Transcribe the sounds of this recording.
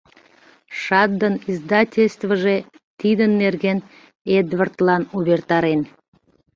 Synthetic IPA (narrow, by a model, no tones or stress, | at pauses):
ʃɑd̪ːənizd̪ɑtʲelʲst̪vəʒe | t̪id̪ənːerɣen | ed̪vərt̪lɑnuβert̪ɑɾen